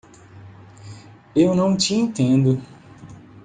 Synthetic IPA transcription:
ewnɐ̃w̃t͡ʃiẽnt̪ẽnd̪ʊ

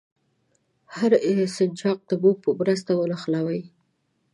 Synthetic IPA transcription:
haɾɪsɪnt͡ʃɑq̚d̪əbupəmɾəst̪awənaxlawəj

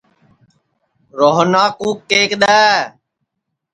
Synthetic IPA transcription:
ɾoːɦnaːkuːkːeːkɗ̪ɛː

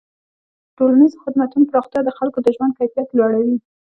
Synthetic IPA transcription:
ʈolanizxɪd̪mat̪unopɾɑxt̪jɑd̪əxalkod̪əʒwand̪̚kajfijat̪lwɑɽawi

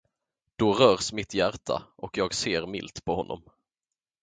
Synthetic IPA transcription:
d̪̥ɔɾœːɾsmɪt̪jæɾʈʰa̰ʔɔkjɑːɡseːɾmɪ̰lt̪pʰɔhɔnːɔ̰m

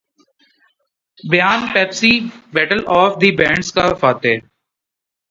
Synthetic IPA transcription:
bɪjaːnpɛːpsiːbɛʈəlɔːfd̪ibɛ̃ːɳɖskafaːt̪eː

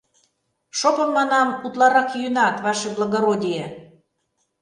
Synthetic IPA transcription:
ʃopə̆mːɑnɑmut̪lɑɾɑkjynɑt̪βɑʃiblˠɑɣoɾodʲije

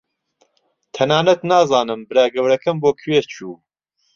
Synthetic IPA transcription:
t̪ʰɐnaːnɐt̪naːzɑːnɨmbɨɾaːɡɐwɾɐkɐmboːkʰɥeːt͡ʃʰuː

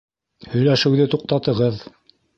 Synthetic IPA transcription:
hɵ̆jlæʃɘ̆wðɘt̪uq̚t̪ɑt̪ɤ̆ʁɤð

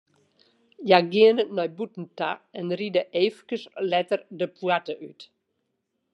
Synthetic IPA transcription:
jaɡiənənɔjbutn̩ta̰ɛnridəʔeːfkəslɛtərdəpʰwatəʔyt

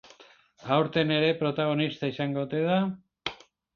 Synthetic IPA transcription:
awɾt̪e̞ne̞ɾe̞pɾo̞t̪aɣ̞o̞nist̪aisaŋɡot̪e̞ða

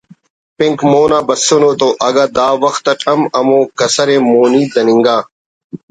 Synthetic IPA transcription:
pɪ̃ŋkmoːnaːbɐsonoːt̪oʔɐɡaːd̪aːʋɐxt̪ɐʈʰɐmɐmõːkɐsɐɾemoːniːd̪ɐnɪŋɡaː

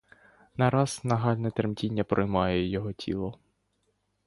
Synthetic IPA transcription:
nɐɾɑz̥nɐɦɑlʲnɛt̪eɾmtʲinʲːɐpɾɔjmɑjɛjɔɦɔtʲʰḭlˠɔ

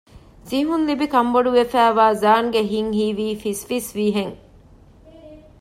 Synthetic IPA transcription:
siɦunlibikɐmboɖuʋefæːʋaːzaːnɡeɦiŋɦiːʋiːfisʋisʋiːɦeŋ

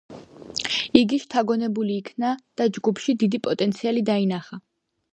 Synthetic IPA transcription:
iɡiʃt̪ʰaɡɔnɛbuliːkʰnad̪̥ad͡ʒɡupʰʃid̪id̪ipʼɔt̪ʼɛnt̪sʰialid̪ainaχa

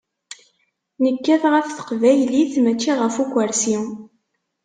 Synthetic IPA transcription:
nəkːæðʁəfθə̥qvæjliθmæt͡ʃːiʁəfukʷːəɾsi

